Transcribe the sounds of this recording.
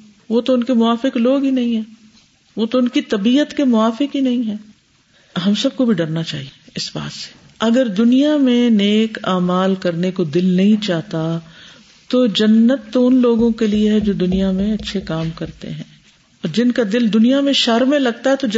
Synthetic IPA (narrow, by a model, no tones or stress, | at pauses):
ʋoːt̪oʊnkemʊaːfɪkloːɡɦinɐɦĩɦɛ̃ː | ʋoːt̪oʊnkit̪ɐbiːət̪kemʊaːfɪkɦinɐɦĩɦɛ̃ː | ɦɐmsɐb̚kobʱiɖɐɾnat͡ʃaːɦieɪsba̰ːt̪se̥ | ɐɡəɾd̪ʊnijamẽneːkaːmaːlkɐɾnekod̪ɪlnɐɦĩt͡ʃaːɦt̪a | t̪od͡ʒɐnːət̪ːoʊnloːɡõkelieɦɛd͡ʒoːd̪ʊnijamẽɐtːʃʰekaːmkɐɾt̪ḛɦɛ̃ː | ɔːɾd͡ʒɪnkad̪ɪld̪ʊnijamẽʃɐɾmẽlɐɡ̚t̪aɦɛt̪od͡ʒ